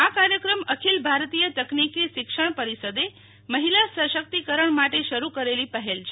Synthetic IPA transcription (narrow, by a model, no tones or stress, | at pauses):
akaɾjəkɾəməkʰilbʱaɾt̪ijət̪əknikeʃɪkʃəɳ̃pəɾisəd̪e | məɦilasəʃək̚t̪ikəɾəɳmaʈeʃəɾukəɾelipəɦelt͡ʃʰe